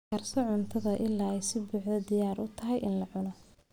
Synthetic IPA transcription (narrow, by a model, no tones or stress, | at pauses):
kɐrsɔʕʊnt̪ʰɐðɐʔɪlːaːɛjsɪbuːʕðɐd̪ɪjaːɾʔʊt̪ʰɐɦɛjɪnlɐʕʊnɔ